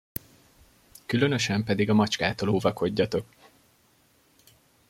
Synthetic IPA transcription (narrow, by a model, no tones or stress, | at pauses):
kylø̞nø̞ʃɛmpɛd̪iɡɒmɒt͡ʃkaːt̪oːloːvɒko̞ɟːɒt̪o̞k